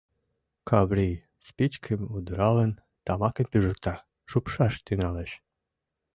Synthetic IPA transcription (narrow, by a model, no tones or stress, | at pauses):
kʰɑβɾij | spit͡ɕkʰəmud̪ɾɑlə̆n | t̪ɑmɑkəmpyʒə̆k̚t̪ɑ | ʃupʃɑʃt̪ynɑleʃ